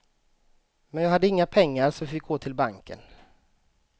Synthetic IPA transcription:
mɛnjɑːɡhad̪ːəɪŋːapʰɛŋːaɾsɔmfɪk̚ɡoːt̪ʰɪlbaŋkə̰n

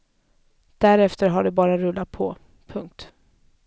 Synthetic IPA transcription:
d̪̥æɾɛft̪əɾɦaɖɛbɑːɾaɾɵlːat̪̚pʰɔ | pʰɵŋk̚t̪

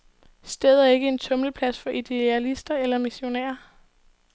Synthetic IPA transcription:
sd̥eːð̞̩ˠæɐe̝ɡ̥əe̝nt͡sʰɔ̽mləpʰlæsfɒ̽ʔid̥e̝ælisd̥ɐelɐmiɕo̝nɛ̰ːɐ

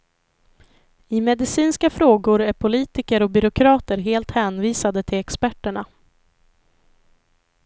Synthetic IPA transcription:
ɪmɛd̪ɪsiːnskafɾoːɡʊɾæɾpʰʊliːt̪ɪkəɾɔk̚bʏɾʊkʰɾɑːt̪əɾɦeːlt̪hɛːnviːsad̪ət̪ʰɪlɛkspæʈːəɳa

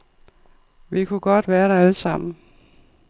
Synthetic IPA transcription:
ʋikʰuɡ̥ɒ̽d̥ʋæːɐɾ̥ɑ̈æləsɑ̈m̰n̩

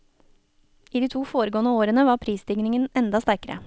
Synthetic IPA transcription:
iːd̪iːt̪ʰuːfoːɾəɡoːnəoːɾənəʋɑːɾpʰɾiːsd̪ɪŋnɪŋənɛnd̪ɑst̪æɾkəɾə̰

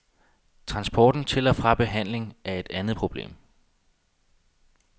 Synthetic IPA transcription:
t͡sʰʁɑ̈nsb̥ɒːd̥n̩t͡sʰe̝lɒfʁɑ̈b̥e̝ɦæn̰le̝ŋʔæɐe̝d̥ænð̩ˠpʰʁo̝b̥le̝̰ːm

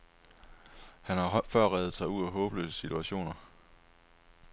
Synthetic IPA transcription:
hænhɑ̈fɶɐ̰ʁɛːð̩ˠsɑ̈ɪuð̰ˠæɦɔ̽ːb̥əløsəsit͡sʰuæɕo̝̰ːnɐ

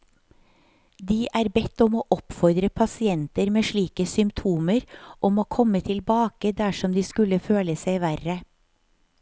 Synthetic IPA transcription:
d̪iːʔæːɾbɛt̪ɔmoːʔɔpfɔɾd̪ɾəpʰɑsɪɛnt̪əɾmeːʃɭiːkəsʏmpt̪ʰuːməɾʔɔmoːkʰɔmət̪ʰɪlbɑːkəd̪æʃɔmd̪iːskʉləføːləsæɪʋæɾə

